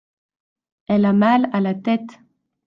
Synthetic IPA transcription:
ɛlamalalat̪ɛt̪

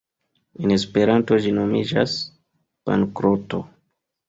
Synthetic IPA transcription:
ene̞spe̞ɾanto̞d͡ʒino̞mid͡ʒa̰s | pa̰ŋkɾoto̞̰

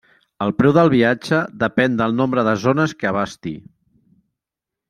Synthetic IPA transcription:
əlˠpɾɛwðəlˠβiad͡ʒəðəpɛnd̪əlˠnombɾəðəzonəskəːβast̪ḭ

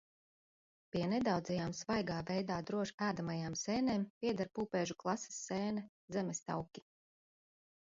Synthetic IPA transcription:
piɛnɛd̪awd̪zɛjaːmsvajɡaːvɛjd̪aːd̪ɾuɔʒæːd̪amajaːmsɛːneːmpʲiɛd̪aɾpuːpɛːʒuklˠasi̥sːɛːnɛzɛmɛst̪a̰wkʲi̥

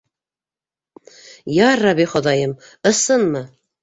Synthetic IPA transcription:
jɑrːɑβiχɑd̪ɑjɤm | ɤ̆sɤnmɤ

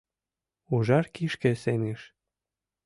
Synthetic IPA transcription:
uʒɑrkiʃkĕseneʃ

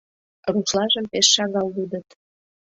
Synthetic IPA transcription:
ruʃlɑʒəmpeʃːɑɣɑlbud̪ə̆t̪

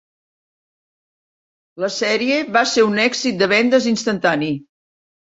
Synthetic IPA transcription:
ləsɛɾieβaseunɛɡzit̪̚d̪əβɛnd̪əzinst̪ənt̪ani

